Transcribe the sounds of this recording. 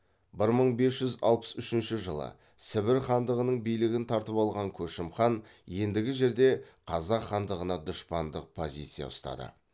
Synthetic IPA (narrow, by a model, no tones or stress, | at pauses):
bɪɾməɴbe̞s̬ʒ̥ʏzɑ̰lˠpə̥sʏʃɪnʃɪʒəlˠə̰ | sɪbɪɾχɑnd̪əʁənəɴbijlɪɡʲɪnt̪ʰɑɾt̪əpɑlˠʁɑŋkʲʰɵʃɪmχɑnje̞nd̪ɪɡʲɪʒe̞ɾd̪e̞qʰɑzɑqχːɑnd̪əʁənɑd̪ʊʃpɑnd̪əq̚pʰo̞zʲḭjt̪sɨjɑ̰ʊ̰st̪ɑ̰d̪ə̰